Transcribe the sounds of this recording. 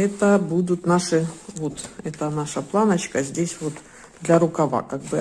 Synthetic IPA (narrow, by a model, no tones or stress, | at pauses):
ɛt̪əbud̪ʊt̪naʂɨvot̪ɛt̪ənaʂəplˠanət͡ɕkəzʲdʲesʲvot̪ | d̪lʲɐɾʊkɐva̰kaɡ̚bɨ